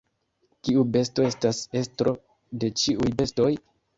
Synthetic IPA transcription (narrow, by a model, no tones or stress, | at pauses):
kiube̞sto̞e̞stase̞stɾo̞ | de̞t͡ʃiujbe̞sto̞j